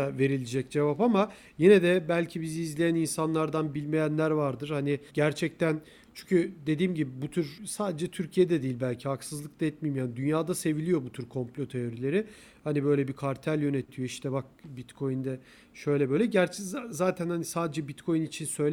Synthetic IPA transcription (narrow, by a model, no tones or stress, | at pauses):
ve̞ɾilʲid͡ʒɛc̚d͡ʒe̞vapama | jenɛd̪ɛbælʲcʰibiziːzlʲejæninsanlˠaɾd̪anbilʲmejænlʲæɾvaɾd̪ɯɾ̥hanɪɟæɾt͡ʃʰɛc̚t̪ʰæn | t͡ʃʰyɲcʰyd̪e̞d̪iːmɟibibut̪ʰyɾsaːd̪ed͡ʒɛt̪ʰyɾcʰijed̪ɛd̪iːlʲbælʲcʰihaksɯzlˠɯk̚t̪ˠaɛt̪̚mijimjaːnid̪ynjaːd̪ase̞vilʲijo̞but̪ʰyɾkʰo̞mplʲo̞t̪ʰe̞o̞ɾilʲe̞ɾɪ | hanibø̞jlʲɛbikʰaɾt̪ʰælʲjø̞ne̞t̪ʰijo̞iʃt̪ɛbak̚bit̪kʰo̞jind̪ɛ | ʃø̞jlʲɛbø̞jlʲɛɟæɾt͡ʃʰzaːt̪ʰænhanisaːd̪ed͡ʒɛbit̪kʰo̞jinit͡ʃʰinsø̞jlʲ